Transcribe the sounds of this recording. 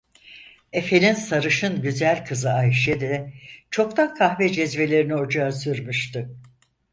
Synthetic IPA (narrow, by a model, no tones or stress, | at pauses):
e̞fe̞ninsaɾɯʃɯnɟyzælʲkʰɯzɯajʃɛd̪ɛt͡ʃʰo̞kt̪ʰakʰaxvɛd͡ʒɛzve̞lʲe̞ɾinio̞d͡ʒaːsyɾmyʃt̪ɯ